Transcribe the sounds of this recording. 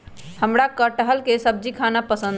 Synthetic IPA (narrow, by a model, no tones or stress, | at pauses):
həmɾakəʈəɦəlkesəb̚d͡ʒikʰanapəsə̃nd̪